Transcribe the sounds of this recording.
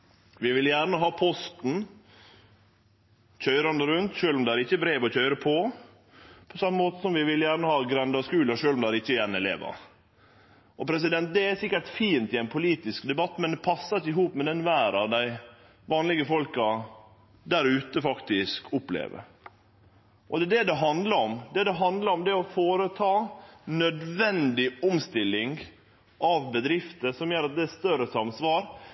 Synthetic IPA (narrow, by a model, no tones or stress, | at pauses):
ʋɪʋɪljæːɾɳəɦɑːpʰɔst̪n̩ | c͡çœʏɾɑnd̪əɾʉnt̪ʂøːlɔmd̪ɛæɾɪçːəbɾeːʋɔc͡çœʏɾəpʰɔ | pʰɔsɑmːəmoːt̪əsɔmʋɪʋɪljæːɾɳəhɑːɡɾɛnd̪ɑɔskʉːləʂøːlʊmd̪ɛæɾɪçːəjænɛlḛːʋɑ̰ | ʔɔpʰɾɛs̬ɪd̪ɛnt̪̚d̪ɛæsɪkːəʈfiːnt̪ɪæɪnpʰʊliːt̪ɪskd̪ɛbɑt̪ːmɛnd̪ɛpʰɑsːɑt̪ɪɦuːpmɛd̪ɛnʋæːɾɑd̪æɪ | ʋɑːnlɪɡəfɔlkɑ | d̪æɾʉːt̪əfɑkt̪ɪskʰʊplḛːʋə̰ɾ | ʔɔd̪ɛd̪ɛd̪ɛɦɑnd̪ləɾɔmd̪ɛd̪ɛɦɑnd̪ləɾɔmd̪ɛɔfoːɾət̪ʰɑːnœd̪ʋɛnd̪ɪɔmst̪ɪlːɪŋ | ʔɑʋbəd̪ɾɪft̪əsɔmjøːɾɑt̪̚d̪ɛɛst̪œɾəsɑmsʋɑːɾ